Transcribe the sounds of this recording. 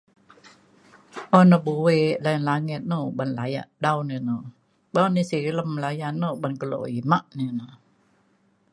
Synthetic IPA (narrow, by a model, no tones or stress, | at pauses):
ʔɔnɔbuwelajanlaŋɛt̪̚nobanlaja̰ʔdawnino | bawnisiɾiləmlajanːobankəlo̰imaʔnino